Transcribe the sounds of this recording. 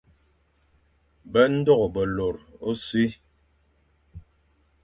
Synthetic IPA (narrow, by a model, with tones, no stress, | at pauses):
bɛ˦n̩˦dɔ˦˨ɣɔ˨bə˨lo˨ɾo˦si˦